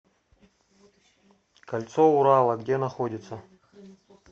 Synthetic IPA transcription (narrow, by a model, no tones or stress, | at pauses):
kɐlʲt̪souɾalˠəɡdʲenɐxodʲɪt̪sə